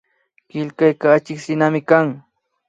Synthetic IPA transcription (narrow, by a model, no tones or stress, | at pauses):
kɪlkajkaːt͡ʃɪksɪnamɪkaŋ